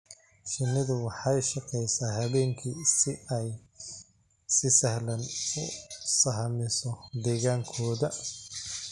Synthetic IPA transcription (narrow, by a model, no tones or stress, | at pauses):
ʃɪnːɪðʊwɑħɑjʃɑqɛjsaːɦɐβɛːŋkʰisɪɛj | sɪsɐhlɐnʊsɐɦɐmɪsɔd̪ɛːɣaːŋkʰɔːðɐ